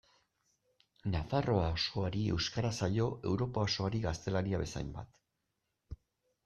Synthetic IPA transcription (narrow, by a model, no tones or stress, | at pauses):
nafaro̞aoso̞aɾie̞wskaɾasaʎo̞ʔe̞̰wɾo̞pao̞so̞aɾiɣast̪e̞laɾiaβe̞sa̰jmba̰t̪